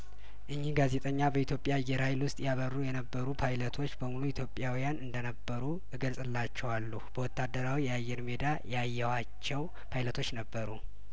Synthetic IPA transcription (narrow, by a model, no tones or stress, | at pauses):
ʔɨɲːihɡaze̞t̪ʼəɲːabəit̪jo̞pʼjajɛɾajlwʊst̪ʼjaβərːujɛnəbːəɾupʰajlət̪ʰo̞t͡ʃːbəmuluit̪ʰjo̞pʼjawijanɨnd̪ənəbːəɾu | ɨɡəlsʼɨlːat͡ʃːɛwalːub̥əwɔt̪ːad̪ːəɾawijɛajːɛɾmed̪ajajːɛwa | t͡ʃːɛw | pʰajlət̪ʰo̞t͡ʃːnəbːəɾu